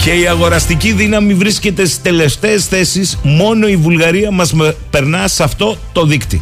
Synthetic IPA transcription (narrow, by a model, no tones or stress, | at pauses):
ce̞iɐɣo̞ɾɐst̪iciðinɐmivɾisce̞t̪e̞si̥t̪e̞le̞ft̪e̞ːsθe̞sismo̞no̞ivulɣɐɾiɐmɐzmpe̞ɾnɐsɐft̪o̞t̪o̞ðikt̪ḭ